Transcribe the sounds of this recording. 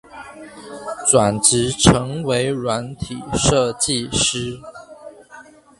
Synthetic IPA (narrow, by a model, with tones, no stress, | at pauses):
t͡swa˨˩nʈ͡ʂɻ̩˨˦ʈ͡ʂʰɤ˧˥ŋwe˧˥ɪɻwa˧˥˦nt̪ʰi˨˩ʂɤ˥˧t͡ɕi˥˨ʂɻ̩˥